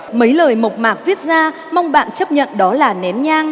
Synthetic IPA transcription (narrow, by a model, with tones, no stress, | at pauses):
mə˨˦jləː˨˩jmo˨˩k͡p̚maː˨˩k̚vi˦˥t̚zaː˧ | ma˧wŋ͡mɓa̰ː˧˨nt͡ɕə˦˥p̚ɲə̰˧˨nɗɔ˨˦laː˨˩nɛ˨˦mɲaː˧ŋ